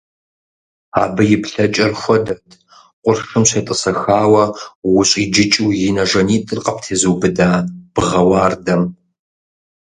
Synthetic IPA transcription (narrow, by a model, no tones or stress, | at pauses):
a̰ːbɨjɪpɬɐt͡ʃʼɐrxʷɔdɐtʰ | qʷʼʊrxɨmɕeːtʼɨsɐxaːwɐwʊɕʼiːd͡ʒɪt͡ʃʼuːjɪnɐʒɐniːtʼɨrqʼɐp̚tʰeːzuːbɨdaːb̥ɨʁɐwaːrdɐm